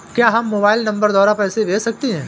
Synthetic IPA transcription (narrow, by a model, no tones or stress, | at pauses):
kjaːɦɐmːoːbaːɪlnɐ̃mbəɾd̪waːɾapɛːseʋʱeːsɐk̚t̪eɦɛ̃ː